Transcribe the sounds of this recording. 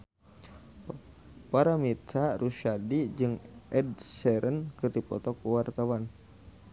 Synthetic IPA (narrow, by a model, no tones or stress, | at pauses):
paɾamit̪aɾʔuʃadid͡ʒɨŋɛd̚sɛɾʔənkɨrdipɔ̰t̪ɔkuwart̪awan